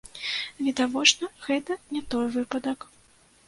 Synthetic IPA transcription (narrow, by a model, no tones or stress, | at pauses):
vʲɛd̪avɔt͡ʂnɐɣɛt̪ɐnʲɛt̪ɔjvɨpɐd̪ɐk